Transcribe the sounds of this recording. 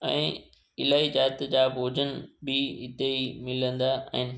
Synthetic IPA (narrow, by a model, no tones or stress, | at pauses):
ɛ̰̃ː | ɪlaːid͡ʑaːt̪d͡ʑaːbʱoːd͡ʑənɪbɪɦɪt̪eimɪlə̃nd̪aːʔɦɪ̃nɪ̆